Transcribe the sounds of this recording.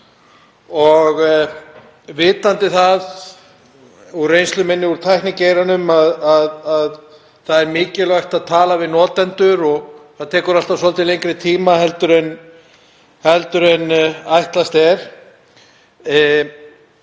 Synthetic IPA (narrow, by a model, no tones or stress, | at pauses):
ɔɣ | vɪːt̪ant̪ɪθað | urejnslʏmɪnːɪuɾ̥t̪ʰajhknɪŋcejɾanʏmaðaðað | θaðɛɾmɪːcɪlaxt̪aðt̪ʰaːlavɪðnɔːt̪ɛnt̪ʏɾɔɣθaðt̪ʰɛːkʏɾal̥t̪avsɔlt̪ʰɪlejŋkɾɪt̪ʰiːmaɦɛlt̪ʏɾɛn | hɛlt̪ʏɾɛnajht̪last̪ɛɾ̥